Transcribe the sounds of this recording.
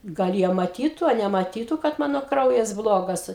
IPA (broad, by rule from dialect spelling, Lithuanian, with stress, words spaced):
ɡɐlˠ ˈjiɛ mɐˈtʲiːtʊ ɐ nʲɛmɐˈtʲiːtʊ kɐt ˈmɑːnoː ˈkrɐʊjɛs ˈblˠoːɡɐs